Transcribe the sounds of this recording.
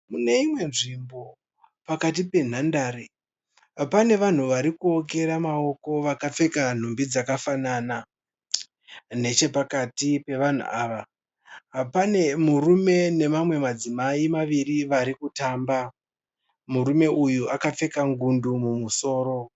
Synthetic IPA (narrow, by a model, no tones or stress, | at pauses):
mune̞imwe̞nʐimbo̞ | pakatipe̞n̤andaɾe | pane̞ʋan̤uʋaɾikuok̬e̞ɾamao̞ko̞ʋakap͡fe̞kan̤umbid͡zakafanana | ne̞t͡ʃe̞pakatipe̞ʋan̤ṵʔaːʋa | pane̞murume̞ne̞mamwe̞mad͡zimaimaʋiriʋaɾikutaːmba | muɾume̞ʔujuʔakap͡fe̞kaŋɡundumumuso̞ːɾo̞